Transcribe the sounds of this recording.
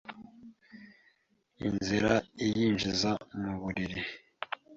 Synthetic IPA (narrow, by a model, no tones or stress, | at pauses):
ḭnziɾaijiːnʒizamuβuɾiɾi